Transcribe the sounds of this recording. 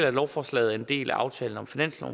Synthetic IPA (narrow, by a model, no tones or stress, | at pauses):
l̰ælɒʊfɒːslɛ̰ːð̩ˠe̝nd̥e̝̰ːlæʔɑ̈ʊt͡sʰɛ̰ːln̩ɒ̽mfinæn̰sɒ̰